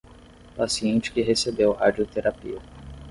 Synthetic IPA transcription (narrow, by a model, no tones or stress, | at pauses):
pasiẽnt͡ʃɪ̥kɪɦesebewhad͡ʒiot̪eɾapḭɐ